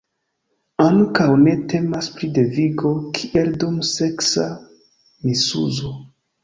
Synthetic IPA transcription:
aŋkawne̞te̞maspɾide̞viɡo̞kʰiʔeldumse̞ksa | misṵzo

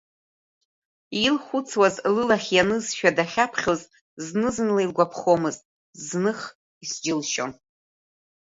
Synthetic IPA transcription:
ilχʷʊt͡sʰwazlɨlaχʲjanɨzʃᶣadaχʲapʰχʲoz | znɨzɨnlailɡʷapʰχomɨztʼ | znɨχ | isd͡ʒɪlʃo̰n

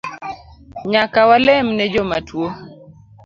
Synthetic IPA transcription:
ɲakawalɛmnɛd͡ʒɔmatwo

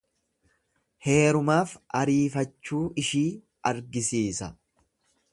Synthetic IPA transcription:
he̞ːɾʊmaːfʔɐɾiːfɐt͡ʃːuːɪʃiː | ʔɐɾɡɪsiːsɐ

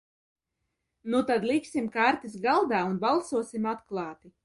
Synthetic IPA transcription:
nut̪ad̪lˠiksʲimkaɾt̪isɡalˠd̪aːunbalˠsuɔsimat̪klˠɑːt̪i

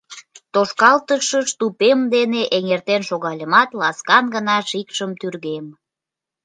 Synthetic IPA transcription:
t̪oʃkɑlt̪əʃəʃt̪upemd̪eneʔeŋert̪enʃoɣɑlʲəmɑt̪lɑskɑnɡənɑʃikʃəmt̪yrɣem

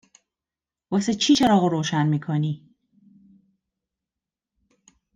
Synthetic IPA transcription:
waset͡ʃʰit͡ʃaɾɔɣoɾoːʃanmikʰɔni

